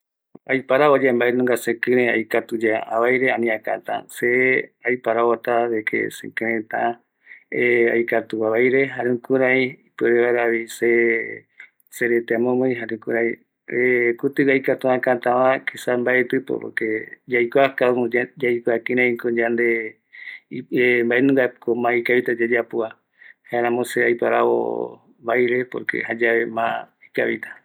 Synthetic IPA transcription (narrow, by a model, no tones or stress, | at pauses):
ajpaɾaod͡ʒembaenõŋɡasekɨ̃ɾẽa̰jkat̪ud͡ʒaa̰βajɾeanĩaka̰t̪ã̰seajpaɾaot̪aβekʰḛsḛ̃kɨ̃ɾẽt̪a | ea̰jkat̪uaβajɾeɦaɾẽkuɾajipeɾeβaɾaβise | seɾet̪eamõmoj̃ɦaɾẽkuɾaj | ekut̪ɨɡajkat̪ũãkãt̪ãβãkʰisambaet̪ɨpo̰po̰ɾked͡ʒajkoakaod͡ʒajkakĩɾãĩkod͡ʒand̪e | embaenũŋɡakomãikaβit̪ad͡ʒad͡ʒapua | haeɾãmõseajpaɾaβo̰ | βajɾe̞po̰ɾkḛhad͡ʒaβe̞mã̰ | ikaβit̪ʰḁ